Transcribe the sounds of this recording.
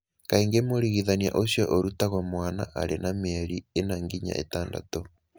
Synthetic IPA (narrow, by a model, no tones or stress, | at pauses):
kaiŋɡemoɾiɣiðanja̰ʔosjɔʔoɾutaɣwamwana̰ʔaɾenameɾienaŋɡiɲa̰ʔḛtaːnda̰to